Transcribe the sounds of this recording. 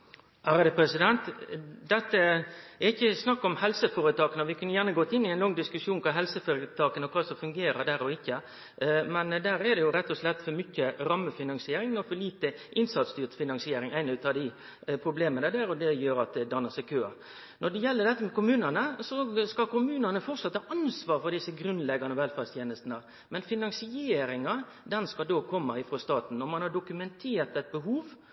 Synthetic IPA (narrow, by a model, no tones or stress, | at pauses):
æːɾd̪ɛpʰɾɛsɪd̪ɛnt̪d̪ɛt̪ːəɛɾɪçːəsnɑkːɔmhɛlsəfoːɾət̪ʰɑːkənɔʋɪkʰʉnːəjæːʁnəɡoːt̪ːɪnːɪæɪnlɔŋːd̪ɪskʉʂjuːnkʰɑːɦɛlsəfoːɾət̪ʰɑːkənɔkʰɑːsɔfʉŋɡeːɾəd̪æːɾɔɪkːə | mɛnd̪æːɾɛd̪ɛjʊɾɛt̪ːɔslɛt̪ːfɔɾmʏçːəɾɑmːəfɪnɑnsɪeːɾɪŋnɔfɔɾliːt̪əʔɪnsɑt̪st̪yːʁt̪fɪnɑnsɪeːɾɪŋæɪnʉːt̪ɑd̪ɪ | pʰɾʊbleːmənəd̪æːɾɔd̪ɛjøːɾɑt̪̚d̪ɛd̪ɑnːəsæɪkʰøː | nʔɔɖ̪ɛjɛlːəɾɖ̪ɛt̪ːəmɛkʊmʉːnənəsɔskɑkʊmʉːnənəfɔt̪sɑt̪ːhɑːʔɑnsʋɑːɾfɔɾd̪ɪsəɡɾʉnlɛɡɑnəʋɛlfɑst̪jeːnəst̪nə | mɛnfɪnɑŋsɪeːɾɪŋɑ | d̪ɛnskɑld̪oːkʰɔmːəɪfɾost̪ɑːt̪n̩ɔmɑnhɑɖʊkʉmɛnt̪ʰeːɾt̪ɛt̪̚bəɦuːʋ